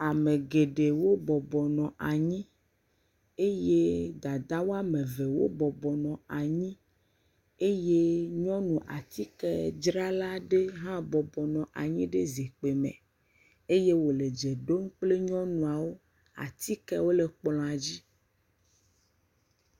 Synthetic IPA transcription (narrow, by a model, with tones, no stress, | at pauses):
a˨me˨ɡe˨ɖe˨wo˦bɔ˨bɔ˨nɔ̃˨ʔa˨ɲĩ˦ | e˦je˦d̪a˨d̪a˦wo˦a˦mẽ˨ve˨wo̰˦bɔ˨bɔ˨nɔ̃˨a˨ɲĩ˦ | e˦je˦ɲɔ̃˦nũ˨ʔa˨t̪i˦kɛ˦d͡ʒɾa˦la˦ɖe˦ɦã˦bɔ˨bɔ˨nɔ̃˨ʔa˨ɲĩ˦ɖe˦ze˨k͡pe˨mḛ̃˨ | e˦je˦wo˨le˨d͡ʒe˨ɖo˦mk͡ple˦ɲɔ̃˦nũ˨a˨wo˦ | a̰˨t̪i˦kɛ˦wo˦le˨k͡plɔ̃˨a˨d͡ʑi˦